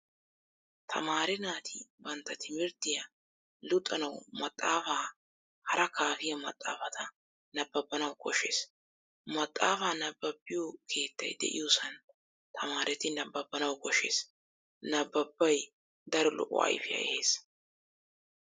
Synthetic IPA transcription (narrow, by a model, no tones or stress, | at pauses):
t̪ʰɐ̰maːɾɛnaːt̪ʰɪbɐnt̪ːɐt̪ʰɪmɪɾd̪ɪjɐ | lʊt̪ʼːɐnɐwmɐt̪ʼːaːfaː | hɐɾʔɐkʰaːfɪjɐmɐ̰t̪ʼːa̰ːfɐt̪ʰɐ | nɐbːɐbːɐnɐwkɔʃeːs | mɐt̪ʼːaːfaːnɐbːɐbːɪjɔkʰe̞ːt̪ːɐ̰jd̪ɛ̰ʔɪ̰jusɐn | t̪ʰɐmaːɾʔɛt̪ɪnɐbːɐbːɐnɐwkɔʃe̞̰ːs | nɐbːɐbːɐj | d̪ɐɾɛlɔ̰ʔɔ̰ɐ̰jfɪjɐ̰ʔɛ̰he̞ːs